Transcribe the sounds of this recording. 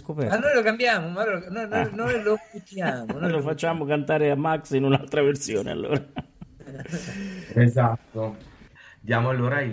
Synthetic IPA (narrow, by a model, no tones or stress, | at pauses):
skopɛanːojlokambjaːmomalonojnjnojlokut̪jaːmonojlofat͡ʃːaːmokant̪aːɾeamːaksinunalt̪ɾaversjoːnḛa̰lːo̰ːɾa | ezat̪ːo | d̪jaːmoalːoːɾai